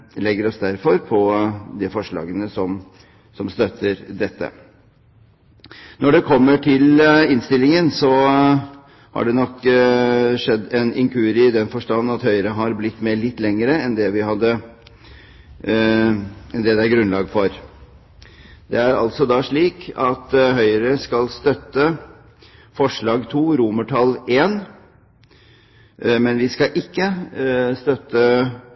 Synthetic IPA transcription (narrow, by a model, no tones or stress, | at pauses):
lɛɡəɾɔsd̪æɾfɔɾpʰɔd̪ɪfɔʂɭɑ̰ːɡənəsɔm | sɔmst̪œt̪ʰːəɾd̪ɛt̪ːə̰ | nɔɖɛkʰɔmːəʈʰɪlɪnst̪ɪlːɪŋənsɔ | hɑ̰ɖɛnɔkː | ʂɛd̪ːɛnɪŋkʰʉːɾɪd̪ɛnfɔʂʈɑnːɑt̪hœʏəɾəɦɑɾblɪt̪ːmeːɭɪt̪ːlɛŋəɾəɛnd̪ɛʋɪhɑd̪ːə | ɛnd̪ɛd̪ɛæɾɡɾʉnlɑːɡfɔɾ | d̪ɛæɾɑ̰lt̪sɔd̪ɑʂɭiːkɑt̪ɦœʏɾəskɑlst̪œt̪ːə | fɔʂɭɑːɡt̪ʰuːɾuməʈʰɑleːn | mɛnʋɪskɑʔɪkːəst̪œt̪ːə